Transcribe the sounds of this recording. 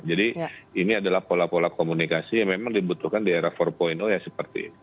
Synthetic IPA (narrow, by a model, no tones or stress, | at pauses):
d͡ʒadiiniadalahpolapolakomunikasijaŋmemaŋdibut̪uhkandieɾahfɔrpoinojasəpərt̪ḭ